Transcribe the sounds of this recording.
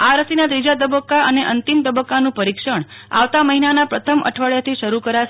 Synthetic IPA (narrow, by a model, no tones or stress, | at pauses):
aɾəsinad̪ɾid͡ʒat̪̬əbəkːaəneʔənt̪imt̪əbəkːanũpəɾikʃəɳ̃a̰ʋt̪aməɦinanapɾət̪ʰəmʔə̰ʈʰʋaɭjat̪ʰiʃəɾukəɾaʃ